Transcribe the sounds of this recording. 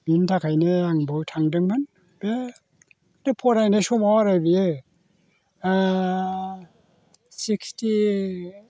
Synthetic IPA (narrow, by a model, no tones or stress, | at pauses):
mintʰakʰajnɯaŋbɯwtʰaŋdɯŋbɯn | be | depʰɔɾajnesɔmawaɾajbijɯ | siksti